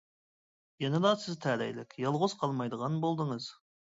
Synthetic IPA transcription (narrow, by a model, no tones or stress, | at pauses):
jenɪd̪ɑsɪzt̪ʰæɾæ̰jlɪkʲjɑlˠʁozqʰɑlˠmɑjd̪əʁɑnbolˠd̪əɴəz̥